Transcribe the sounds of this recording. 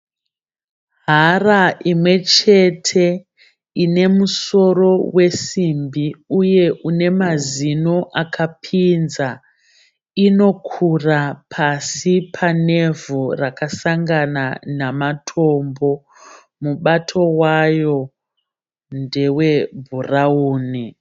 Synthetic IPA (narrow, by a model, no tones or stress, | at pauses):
ɦaraʔimwe̞t͡ʃe̞tʰe̞ | ine̞muso̞ro̞we̞simbiuje̞ʔune̞mazino̞ʔakʰapʰinza | ino̞kʰurapʰasipʰane̞vurakasaŋɡananamatʰo̞mbo̞ | muɓatʰo̞wajo̞ | nde̞we̞bʱurauːni